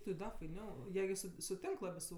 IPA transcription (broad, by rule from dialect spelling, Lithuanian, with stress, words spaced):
tʲɪ ˈdɐ fɐɪˈnʲɛʊ ˈjiɛ ɡʲɪ ˈsʊ sʊˈtʲɪŋk ˈlˠɑːbʲɪ sʊ